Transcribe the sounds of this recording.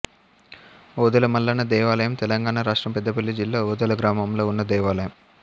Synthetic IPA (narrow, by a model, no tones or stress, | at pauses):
oːd̪ɐlɐmɐlːɐnɐd̪ɛːʋaːlɐjɐmt̪ɛlɐŋɡaːɳaɾaːʂʈɾɐmpɛd̪ːɐpelːid͡ʒilːaːoːd̪ɐlɐɡɾaːmɐmlo̞ːunːɐd̪ɛːʋaːlɐjɐm